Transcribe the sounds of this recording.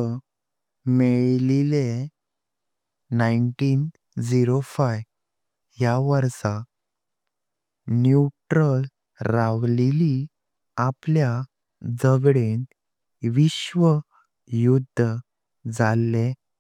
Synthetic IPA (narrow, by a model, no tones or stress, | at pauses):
meɭlile | naiɳʈiːn | d͡ziɾofaj | jaʋəɾsa | nuʈɾəl | ɾaʋleli | aplja | d͡zəɡɽent̪ | ʋiɕʋə | jud̪ʱːə | d͡zalːe